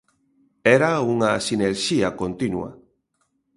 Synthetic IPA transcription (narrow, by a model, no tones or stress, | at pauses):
eɾauŋasineɾʃiakont̪inua̰